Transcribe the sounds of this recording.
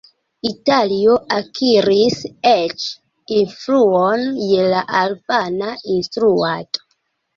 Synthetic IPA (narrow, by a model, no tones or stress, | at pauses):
italio̞ʔakʰiɾiset͡ʃ | influonje̞laʔalpanainstɾuato̥